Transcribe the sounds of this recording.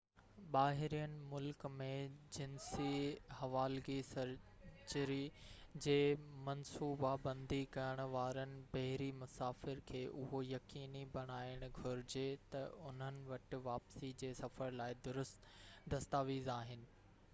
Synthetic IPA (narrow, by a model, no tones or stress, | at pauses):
ɓaːɦɪɾijənɪ̆mʊlkmẽd͡ʑɪnsihɐʋaːlɡisɐɾ | t͡ɕəɾid͡ʑeːmɐnsuːbabɐ̃nd̪ʱikɐjəɽ̃ʊ̆ʋaːɾənɪ̆bɐɦɪɾimʊsaːfɪɾkʰeːʔʊɦojɐkiːnibɐɽ̃aːɪɽ̃ʊɡʱʊɾɪd͡ʑet̪ɐʊn̤ənɪ̆ʋɐʈɪ̆ʋaːpsid͡ʑeːsɐfəɾlaːɪd̪ʊɾʊst̪ | d̪ɐst̪aːʋiːzaːɦɪnɪ̆